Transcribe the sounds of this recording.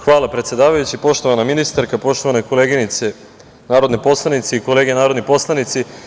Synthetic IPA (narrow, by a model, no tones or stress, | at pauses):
xʋaːlˠapɾet̪sje̞d̪aːʋajut͡ɕipo̞ʃt̪o̞ʋanaminist̪aɾkapo̞ʃt̪oanakoleːɡinit̪se | naːɾod̪nepo̞slˠanit̪seiko̞le̞ːɡenaːɾo̞d̪nipo̞slˠanit̪si